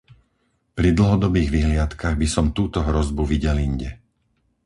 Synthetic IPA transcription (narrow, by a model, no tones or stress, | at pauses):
pɾid̪l̩ɦɔd̪ɔbiːɣʋiɦlɪat̪kaɣbisɔmt̪uːt̪ɔɦɾɔzbuʋiɟɛliɲɟɛ